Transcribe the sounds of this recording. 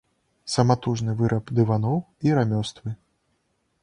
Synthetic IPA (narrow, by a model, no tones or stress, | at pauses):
sɐmat̪uʐnɨvɨɾʔɐpd̪ɨvanɔw | iɾamʲɔst̪vɨ